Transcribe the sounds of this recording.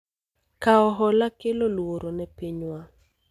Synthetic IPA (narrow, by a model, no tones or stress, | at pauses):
kaɔɦɔlakɪlolwoɾonɛpiɲwa